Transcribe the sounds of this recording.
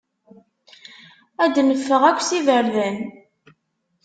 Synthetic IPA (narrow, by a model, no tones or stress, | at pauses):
æd̪nəfːəʁækʷːsivəɾðæn